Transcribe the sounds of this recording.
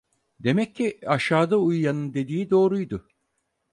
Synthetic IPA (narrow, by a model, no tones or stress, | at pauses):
d̪e̞mɛc̚ʲːiaʃaːd̪aujːanɯnd̪e̞d̪iːid̪o̞ːɾujd̪ʊ